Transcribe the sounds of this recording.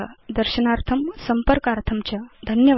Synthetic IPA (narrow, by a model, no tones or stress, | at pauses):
ad̪əɾɕənaɾt̪ʰɐmsɐmpəɾkaɾt̪ʰɐmt͡ɕjad̪ʱɐnjɐʋ